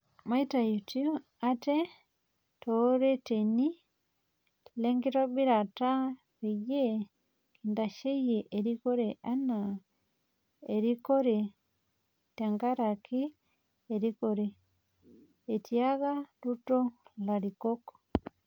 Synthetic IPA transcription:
maitajutju | ate | tɔɾeteni | leŋɡiɾobiɾata | βije | kindaʃejeʔeɾikɔɾeʔana | eɾikoɾe | taŋɡaɾakiː | ɾikɔɾɛ | tiaɣalutɔlaɾikɔko̥

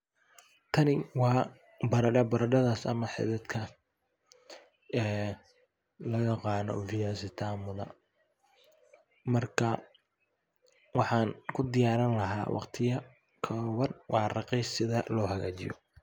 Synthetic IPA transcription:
t̪ʰɐnɪwɑː | bɐɾɐɖɐbɐɾɐɖɐðaːsɐ̰mɐħɪ̰ðɛd̪kʰɐ | ɛː | lɐɣɐqɑːnɔ̰fɪjaːsɪt̪ʰaːmʊðɐ̰ | mɐrkʰɐ | wɑħɑːnkʰʊd̪ɪjaːɾɐnlɐɦa̰ːwɑ̰qt̪ʰɪjɐ | kʰɐwɐnwʔɑːrɑqɛjsɪðɐlɔːɦɐɣa̰ːt͡ʃɪ̰jɔ̰

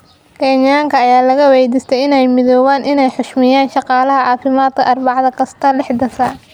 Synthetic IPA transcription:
kʰɛɲaːŋkʰɐːjaːlɐɣɐwɛjd̪ist̪ʰɛjɪnɛjmɪðɔːwaːnʔɪnɛjħʊʃmɪjaːnʃɑqɑːlɐɦɐʕɑːfɪmaːd̪̚kʰɐʔɐrbɑʕðɐkʰɐst̪ʰɐlɪħd̪ɐsaː

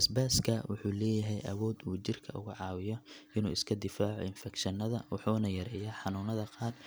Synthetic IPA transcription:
sbaːskʰɐwʊħuːlɛːjɐɦɛjʔɐwɔːd̪uːt͡ʃɪrkʰɐʔʊ̰ɣʊʕɑːwɪjɔʔɪnṵːɪskʰɐd̪ɪfaːʕɔ̰ɪnfɛkʃɐnɐðɐwʊ̰ħuːnɐjɐɾɛːjɐħɑnuːnɐðɐqɑːr

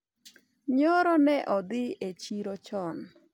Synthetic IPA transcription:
ɲɔɾɔnɛʔɔd̪ɪet͡ʃiɾɔt͡ʃɔn

